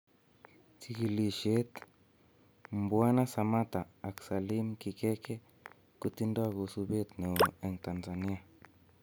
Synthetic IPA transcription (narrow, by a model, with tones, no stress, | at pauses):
t͡si˨ki˨li˨ʃe˦t̪ | mbwa˦na˦sa˨ma˦t̪a˨a˨ksa˨li˦mki˨kɛ˦kɛ˦ | ku˦t̪i˦ndwa˦ɣo˨su˦be˦t̪nɛ˨o˨ɛ˨ŋt̪a˨nza˨ni˦a˨